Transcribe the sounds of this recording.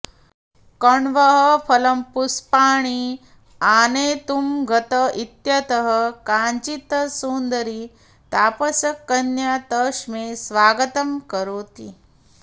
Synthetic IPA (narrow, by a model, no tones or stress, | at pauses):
kɐɳʋɐɦɐpʰɐlɐmpuspaːɳ̃i | aːneːt̪umɡʱɐt̪ɐit̪jɐt̪ɐɦɐkaːɲt͡ʃit̪ɐsuːnd̪ɐɾi | t̪aːpɐsɐkːɐnjaːt̪ɐʂmeːsʋaːɡɐt̪ɐmkɐɾoːt̪i